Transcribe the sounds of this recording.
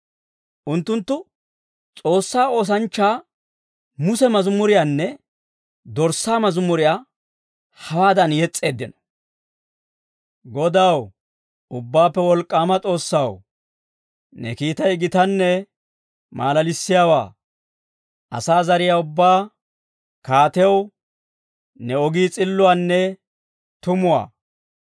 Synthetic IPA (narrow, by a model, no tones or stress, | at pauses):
ʔʊnt̪ːʊnt̪ːʊ | t͡sʼo̞ːsːaːo̞ːs̬ɐnt͡ʃːaː | mʊsɛmɐzʊmːʊɾɪjaːnːɛ | d̪ɔɾsːaːmɐzʊmːʊɾɪjaː | hɐwaːd̪ɐnjɛt͡sʼːe̞ːd̪ːɪnɔ̥ | ɡɔd̪aw | ʊbːaːpːɛwɔlkʼːaːmɐt͡sʼo̞ːsːɐw | nɛ̰kiːt̪ɐjɪɡɪt̪ɐnːɛ | maːlɐlɪsːɪjaːwa̰ː | ɐ̰saːzɐɾɪjaːʊbːaː | kaːt̪ɛw | nɛɔɡiːt͡sʼɪlːʊwaːnːɛ | t̪ʊmʊwa̰ː